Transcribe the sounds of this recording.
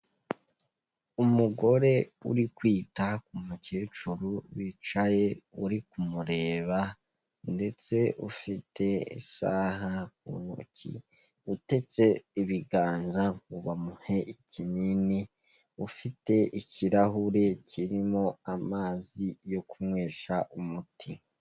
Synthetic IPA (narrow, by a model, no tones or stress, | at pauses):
umuɡo̞ɾe̞ṵɾikwiːtakumuceːt͡ʃuɾuβit͡ʃaje̞uɾikumuɾe̞ːβa | nde̞t͡se̞ʔufite̞ḭsaːhakṵno̰cḭ | ute̞t͡se̞iβiɡaːŋzaŋuβamuheʔicinini | ufite̞ʔiciɾahuɾe̞ciɾimo̞amaːzijo̞kumŋe̞ːʃaʔumutʰi